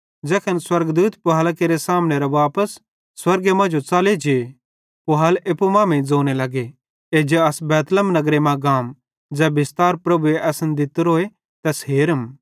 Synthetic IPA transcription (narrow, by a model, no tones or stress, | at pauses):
d͡zɛːkʰənswɐɾɡd̪uːt̪pʊɦaːlakeːɾesaːmneɾaʋaːpəsː | wɐɾɡemɐ̃d͡ʒot͡saːled͡ʒee | pʊɦaleːpumãːmẽd͡zoːnelɐɡe | ed͡ʒeɐsbɛːt̪ləmnɐɡɾemãɡaːm | d͡zɛːbɪst̪aːɾpɾɐbueʔɛːsənd̪ɪt̪ɾoːe | t̪ɛsɦeːɾəm